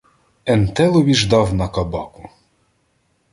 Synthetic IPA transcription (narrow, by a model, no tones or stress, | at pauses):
ɛnt̪ɛlˠɔʋʲiʒd̪ɑwnɐkɐbɑkʊ̥